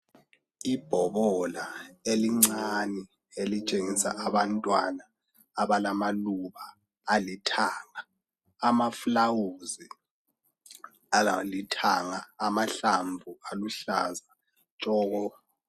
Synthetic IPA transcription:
ib̥ʱɔβɔlaeliŋ͡ǀanɛ | elit͡ʃʼeŋisa̰ʔaβantʼwanaː | βalamaluβaː | litʰaːŋaː | maflawuzi | alitʰaŋaːmaɬaɱvʱualuɬa̰za | t͡ʃʼɔːɣɔ

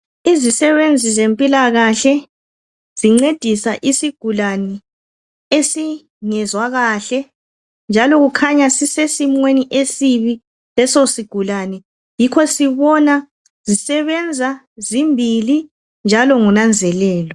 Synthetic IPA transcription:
izisɛβend͡zʱizempʼilaɣaɬɛ | z̥iŋ͡ǀed̥ʱisaʔisiɡ̥ʱulanɛ | esi | ŋɛzwaɣaɬɛ | nd͡ʒʱalɔɣukʰaɲasisesimweniʔesiβi | lɛsosiɡ̥ʱulanɛ | jikʰɔsiβɔna | zisɛβɛnd͡zʱa | zimbʱili | nd͡ʒʱalɔŋunand͡zʱɛlɛːlɔ

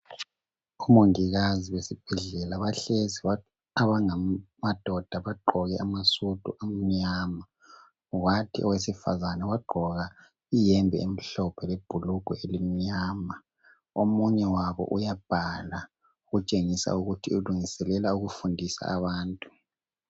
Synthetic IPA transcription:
umoŋiɣaziwesib̥ʱɛɮɛlaβaɬeziβa | aβaŋamad̥ʱɔd̥ʱaβaɡ͡ǃʱɔɣɛʔamasud̥ʱʼuʔam̩ɲaːma | watʰiɔ̰wesifa̰zanɛwaɡ͡ǃʱɔɣa | ijɛmbʱɛ̰em̩ɬɔpʰɛleb̥ʱuluɡ̥ʱɔelim̩ɲaːma | omuɲɛwaβɔ̰ʔujab̥ʱala | uɣut͡ʃʼeŋisa̰uɣutʰiuluŋisɛlɛlauɣufundʱisa̰ːβaːntʼu

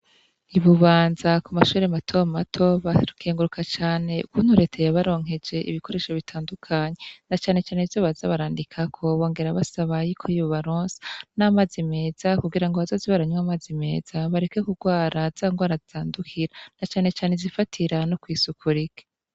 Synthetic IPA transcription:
iβuβaːnzakumaʃuːɾematʰo̞matʰo̞βakʰeːŋɡuɾukʰat͡ʃaːne̞ukuːn̥huɾe̞ːtʰejaβaɾo̞ːŋ̥ɦe̞d͡ʒe̞ʔḭβiko̞ɾe̞ːʃoβitʰaːndukʰaɲe̞nat͡ʃaːne̞t͡ʃaːnevzo̞βazaβaɾaːndikʰakʰo̞βo̞ːŋɡe̞ɾaβasaβajikʰojiβoβaɾoːnze̥naːmazime̞ːz̥akuɡiɾaŋɡoβazo̞ːziβaɾaɲwamaːzime̞̰ːz̥aβaɾe̞kekuɡwaːɾaz̥aŋɡwaːɾazitaːndukʰiɾanat͡ʃaːne̞t͡ʃaːnezifatʰiɾanokwiːsukʰuɾike̥

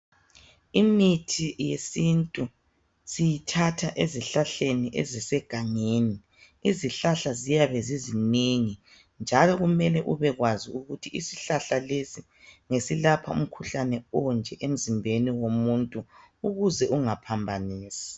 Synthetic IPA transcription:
imitʰijesintʼu | sijitʰatʰaʔeziɬaɬeniʔezisɛɡ̥ʱaŋeːni | iziɬaɬazijaβɛziziniŋi | nd͡ʒʱalɔɣumɛlɛʔuβɛɣwaziuɣutʰiisiɬaɬalesi | ŋesilapʰa̰ṵm̩kʰuɬanɛɔnd͡ʒʱɛʔem̩zimbʱeniwomuntʼuuɣuzɛuŋapʰambʱaniːsi̥

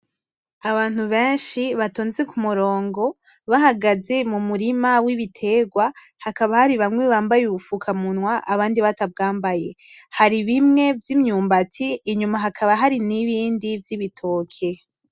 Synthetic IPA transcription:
aβaːn̥huβe̞ːnʃiβatoːnzekumuɾo̞ːŋɡo̞ | βahaɡaze̞mumuɾimawiβitʰe̞ːɡwa | hakaβahaɾiβamŋweβaːmbajuufukʰamunwaʔaβaːndiβatab̚ɡaːmbaje̞haɾiβimŋe̞vjimɲuːmbatʰiːɲumaɦakʰaβaɦaɾiniβiːndivjiβitʰo̞ːkʰe̞

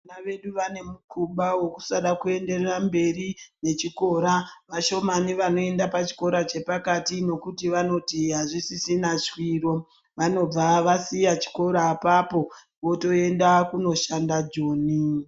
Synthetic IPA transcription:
naʋe̞ɗuʋane̞mukuɓawo̞ku̥saɗakue̞nde̞rerambe̞rine̞t͡ʃiko̞ɾaʋaʃo̞maniʋano̞e̞ndapat͡ʃi̥ko̞ɾat͡ʃe̞pakatino̞kutiʋano̞tiɦaʐisisinat͡ʃwiro̞ | ʋano̞b͡vaʋasijat͡ʃi̥ko̞ɾaːpapo̞ | ʋo̞to̞e̞ndakuno̞ʃandad͡ʒoːni

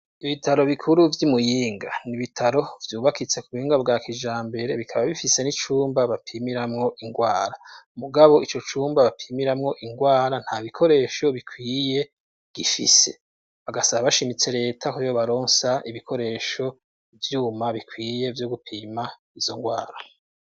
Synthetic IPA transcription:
iβitʰaɾo̞βikʰuɾuvjumujiːŋɡaniβitʰaɾo̞vjuːβakit͡se̞kuβuhiːŋɡabɡaːkid͡ʒaːmbe̞ɾe̞βikʰaβaβifise̞nit͡ʃuːmbaβapʰiːmiɾamŋo̞ʔiŋɡwaːɾamuɡaβo̞ʔit͡ʃo̞t͡ʃuːmbaβapʰiːmiɾamŋo̞ʔiŋɡwaːɾan̥haβikʰo̞ɾe̞ʃo̞βikwiːje̞ | ɡ̥ifḭse̞̥ | βaɡasaβaβaʃimit͡se̞ɾe̞ːtʰakoejoβaɾo̞ːnsaʔiβikʰo̞ɾe̞ʃo̞ | vjuːmaβikwiːje̞vjoɡupʰiːma | izo̞ŋɡwaːɾa

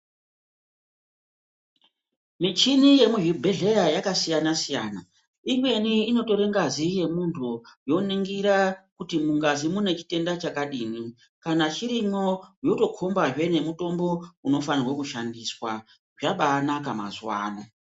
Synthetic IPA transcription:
mit͡ʃinije̞muɦubʱeɮe̞jajakasijanasijaːna | imwe̞niːno̞to̞ɾeŋɡazije̞muntʰujo̞niŋɡiɾakutimuŋɡazimune̞t͡ʃi̥te̞ndat͡ʃakaɗiːni | kanat͡ʃiɾimo̞joto̞kʰo̞mbaʐwe̞ne̞muto̞mbo̞uno̞fanirwakuʃandiswa | ʐaɓanakama̰zwa̰ːna

